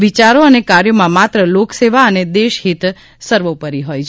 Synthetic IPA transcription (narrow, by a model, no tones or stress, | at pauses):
ʋit͡ʃaɾoənekaɾjomãmat̪ɾəlokseʋaəned̪eʃɦit̪ | səɾʋopəɾiɦojt͡ʃʰ